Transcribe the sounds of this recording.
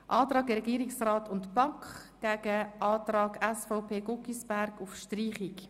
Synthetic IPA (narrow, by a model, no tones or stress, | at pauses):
ʔɑːtɾɑːɡəɾɛɡiːɾiksraːtʰʊntb̥ɑŋkχ | ɡ̥æɡ̥əʔɑːtɾɑːɡɛsfaʊpʰeːɡʊkisb̥æɾɡʊfʃtriːχik